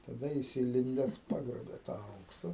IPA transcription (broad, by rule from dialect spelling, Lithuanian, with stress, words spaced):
tɐˈdɐ ˈjɪs iːˈlʲɪnʲdʲɛs ˈpɑːɡroːbʲeː tɑː ˈɐʊksɐ